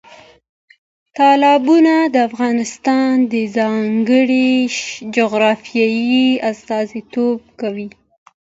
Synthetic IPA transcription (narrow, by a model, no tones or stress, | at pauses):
t̪ɑlɑbunad̪əafɣɑnɪst̪ɑnd̪əzɑŋɡəɽid͡ʒoɣɾɑfjɑjiast̪ɑzit̪ob̚kawi